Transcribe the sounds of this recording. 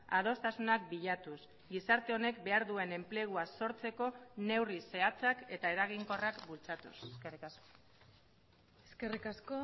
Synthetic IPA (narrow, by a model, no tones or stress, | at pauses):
að̞o̞st̪asunak̚biʎat̪us | ɡisaɾt̪e̞o̞ne̞kbe̞aɾðue̞ne̞mple̞ɣ̞uaso̞ɾt͡se̞ko̞ne̞wrise̞at͡sake̞t̪ae̞ɾaɣ̞iŋko̞rakbult͡sat̪useskerikasko | eskerikasko